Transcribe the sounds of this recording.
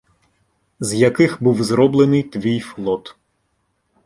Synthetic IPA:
zjɐkɪxbuwzɾɔblˠenɪjt̪ʋʲijflˠɔt̪

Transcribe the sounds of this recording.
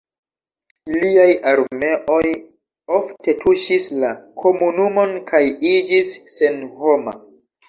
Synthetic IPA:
iliajaɾme̞ʔo̞j | oftʰe̞tʰuʃislakʰo̞munumo̞nkʰajid͡ʒisːe̞nhoma̰

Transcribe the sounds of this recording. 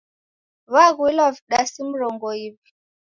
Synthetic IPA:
βaɣwilaviɗasim̩ɾɔŋɡɔipi̥

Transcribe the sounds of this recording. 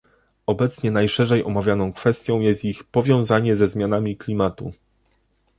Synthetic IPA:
ɔbɛt̪sɲɛnajʂɛʐɛjʔɔmavʲjanɔ̃w̃kfɛst̪ʲjɔ̃w̃jɛst̪ixpɔvʲjɔ̃w̃zaɲɛzɛzmʲjanamʲiklʲimat̪u

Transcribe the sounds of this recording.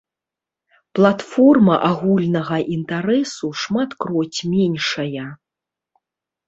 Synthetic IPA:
plˠat̪fɔrmɐʔaɣulʲnɐɣɐʔint̪aɾɛsuʂmat̪kɾɔt͡sʲmʲɛnʲʂɐjɐ

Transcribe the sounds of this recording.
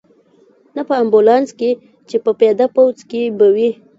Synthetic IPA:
napəambʊlɑnske | t͡ʃepəped̪apawzkebəwi

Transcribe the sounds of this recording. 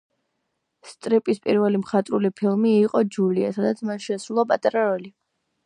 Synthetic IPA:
st̪ʼɾipʼispʼḭɾvɛlimχat̪ʼɾulipʰilˠmiːqʼɔd͡ʒuliasad̪at̪sʰmanʃɛsɾulˠapʼat̪ʼɾaɾɔli

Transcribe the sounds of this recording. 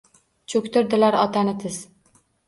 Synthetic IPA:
t͡ʃʰɵkʲt̪ʊɾd̪ɪlaɾɒt̪ʰanɪt̪ʰɪz̥

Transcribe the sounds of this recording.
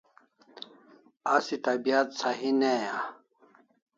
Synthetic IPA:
asit̪ɐbijat̪saɦineja

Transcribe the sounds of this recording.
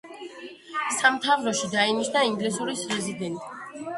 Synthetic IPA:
samt̪ʰavɾɔʃid̪ainit͡ʃʰnaiŋɡlisuɾisɾɛzid̪ɛnt̪ʼi

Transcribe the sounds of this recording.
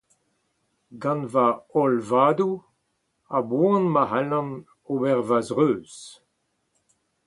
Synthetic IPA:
ɡãnvaɔlvaːd̪u | abuɑ̃nmahalɑ̃n | obɛʁvazʁøːz̥

